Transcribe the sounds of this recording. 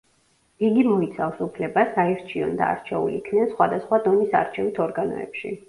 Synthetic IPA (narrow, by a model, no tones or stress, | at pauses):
iɡimɔit̪sʰafsupʰlɛbasaiɾt͡ʃʰiɔ̰nd̪a̰ːɾt͡ʃʰɛṵliikʰnɛnsχwad̪asχwad̪ɔnisa̰ɾt͡ʃʰɛvit̪ʰɔɾɡanɔ̰ɛ̰pʃḭ